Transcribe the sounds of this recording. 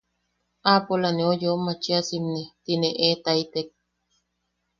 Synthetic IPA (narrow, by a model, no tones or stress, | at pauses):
apolaneojomat͡ʃiasimnet̪ineʔet̪ait̪ek̚